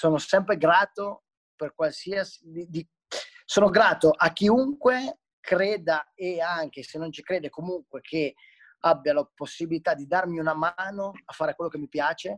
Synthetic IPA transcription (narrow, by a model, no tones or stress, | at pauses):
soːnosɛmpɾeɡɾaːt̪o | perkwalsiasi̥d̪id̪i | soːnoɡɾaːt̪oʔakːiuŋkwe | kɾeːd̪aeaŋk̟esenːont͡ʃi̥kɾeːd̪ekomuŋkwekʰe | abːjalaposːibilit̪ad̪id̪armiunamaːnoafːaːɾekwelːokemːipjaːt͡ʃe